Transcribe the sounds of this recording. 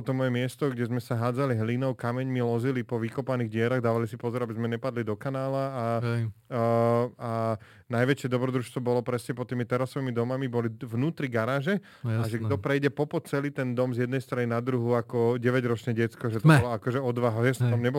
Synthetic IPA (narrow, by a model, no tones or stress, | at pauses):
ɔt̪ɔmɔjɛmɪɛst̪ɔɡɟɛzmɛsaɦaːd͡zaliɦlinɔʊkamɛɲmilɔzilipɔʋikɔpaniːɣɟɪɛɾaɣd̪aːʋalisipɔzɔɾabizmɛɲɛpad̪lid̪ɔkanaːlaa | a | najʋɛt͡ʃɪɛd̪ɔbɾɔd̪ɾuːʃst̪ʋɔbɔlɔpɾɛsɲɛpɔt̪ːiːmit̪ɛɾasɔʋiːmid̪ɔmamibɔliʋnuːt̪ɾiɡaɾaːʒɛ | aʒɛɡd̪ɔpɾɛjɟɛpɔpɔt̪̚t͡sɛliːt̪ɛnd̪ɔmzjɛd̪nɛjst̪ɾaninad̪ɾuɦuakɔɟɛʋɛɟɾɔt͡ʃɲɛɟɛt̪t͡skɔʒɛt̪ɔbɔlɔakɔʒɛɔd̪ʋaɦaɛst̪amɲɛbɔ